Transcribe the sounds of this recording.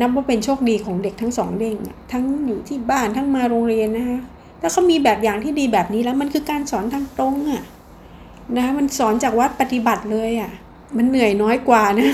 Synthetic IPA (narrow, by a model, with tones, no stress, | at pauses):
na˦˥p̚waː˥˩pe˧nt͡ɕʰoː˥˩k̚diː˧kʰɔː˩˦ŋde˨˩k̚t̪ʰa˦˥ŋsɔː˩˦ŋde˧˩ŋʔa̰˨˩t̪ʰa˦˥ŋjuː˨˩t̪ʰiː˥˩baː˥˩nt̪ʰa˦˥˩ŋmaː˧ɾoː˧ŋɾi˧ənːa˦˥kʰa˦˥ | lɛː˦˥wkʰa˦˥wmiː˧bɛː˨˩p̚jaː˨˩ŋt̪ʰiː˥˩diː˧bɛː˨˩p̚niː˦˥lɛː˦˥wma˧nkʰɯː˧kaː˧nsɔː˩˦nt̪ʰaː˧˥ŋt̪o˧˥ŋʔa˨˩ | na˦˥kʰa˦˥ma˧nsɔː˩˦nt͡ɕaː˨˩k̚wa˦˥t̪̚pa˨˧t̪i˨˩ba˨˩t̪̚lɤː˧jʔa˨˩ | ma˧nːɯ˨˩əjnɔː˦˥jkwaː˨˩na˦˥